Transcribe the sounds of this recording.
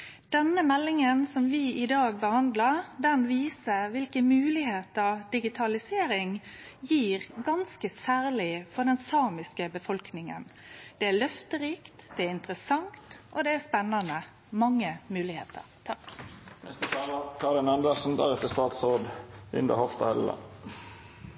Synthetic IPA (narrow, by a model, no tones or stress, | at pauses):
d̪̥ɛnəmɛlːɪŋənsɔmʋɪʔɪd̪ɑːɡ̚bəhɑnd̪ləd̪ɛnʋiːsəʋɪlkəmʉːlɪɦeːt̪əɾd̪ɪɡɪt̪ʰɑlɪseːɾɪŋjiːʁɡɑnskəsæːʁlɪfɔʁd̪ɛnsɑːmɪskəbəfɔlknɪŋə̰n | d̪̥ɛæɭœft̪əɾiːkt̪d̪̥ɛæɪnt̪ʁəsɑŋt̪ʔɔd̪ɛæspɛnːɑnə | mɑŋːəmʉːlɪhḛːt̪ʰə̰ʁt̪ʰɑknɛ̰st̪ət̪ʰɑːləkʰɑʁɾɪnɑnd̪əsn̩d̪æʁɛt̪ːəst̪ɑːt̪sʁoːd̪ʉ̰nd̪ə̰hɔft̪ɑhɛ̰llɑ̰